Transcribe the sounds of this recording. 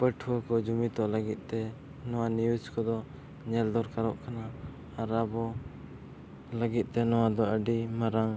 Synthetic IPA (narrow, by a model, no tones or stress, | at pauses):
pəʈʰuwəkɔd͡ʒumit̪ɔʔləɡit̪̚ˀt̪ɛ | nɔwanijud͡ʒkɔd̪ɔ | ɲɛld̪ɔɾkaɾɔʔkʰanaː | ɾabɔ | ləɡit̪̚ˀt̪ɛnɔwad̪ɔəɖimaɾaŋ